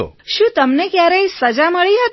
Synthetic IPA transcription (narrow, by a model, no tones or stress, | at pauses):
o̰ʃũt̪əmnekjaɾeisəd͡ʒaməɭiɦət̪